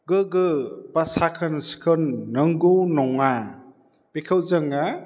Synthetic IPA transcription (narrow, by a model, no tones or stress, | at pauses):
ɡɯɡɯpasakʰɯnsi̥kʰɯnːɯŋɡunɔŋa | pekʰəwzəŋa